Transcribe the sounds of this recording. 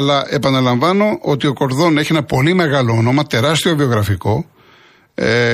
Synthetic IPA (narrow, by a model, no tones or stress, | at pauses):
ɐlɐʔe̞pɐnɐlɐɱvɐno̞ʔot̪io̞ko̞ɾðo̞neçie̞nɐpo̞lime̞ɣɐloono̞mɐt̪e̞ɾɐst̪io̞vio̞ɣɾɐfiko̞